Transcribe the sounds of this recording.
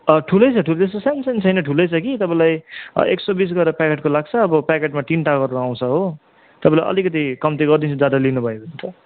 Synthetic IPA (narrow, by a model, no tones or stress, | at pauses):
ʌʈʰulʌjt͡sʰʌʈʰulet̪est̪osansent͡sʰʌjnʌʈʰulʌjt͡sʰʌkit̪ʌpãĩlaj̰ḛksobis̬ɡʌeɾʌpakeʈ̚kolaɡ̚t͡sʰʌːbʌpakeʈmat̪inʈaɡʌɾɾaw̃t͡sʰʌɦo | t̪ʌpãĩlajʔʌ̰likʌt̪̬ikʌmt̪eɡʌrd̪int͡sʰud͡zad̪alinubʱʌebʱʌnt̪ʰʌ